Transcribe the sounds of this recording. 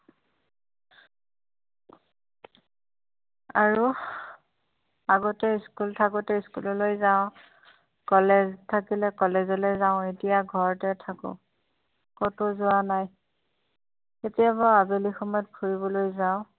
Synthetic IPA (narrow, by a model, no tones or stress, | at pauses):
a̰ɹu | aɡɔtɛiskultʰaɡɔtɛiskulɔlojzaʊ̃ | kɔleztʰakilɛkɔlezɔlojzaʊ̃etijaɡʱɔɹtɛtʰakʊ̰̃ | kɔtozʊanaj | etijabaabelixɔmɔjɔt̚bʱuɹibɔlojzaʊ̃